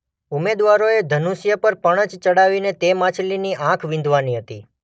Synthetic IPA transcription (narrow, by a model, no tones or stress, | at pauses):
umed̪ʋaɾoed̪ʱənusjəpəɾpəɽ̃ət͡ʃt͡ʃəɽaʋinet̪emãt͡ʃʰliniʔãkʰʋɪ̃nd̪ʱʋaniɦət̪i